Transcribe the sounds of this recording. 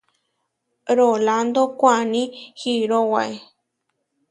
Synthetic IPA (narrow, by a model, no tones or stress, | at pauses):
ɾoland̪okʷanĩhiɾowae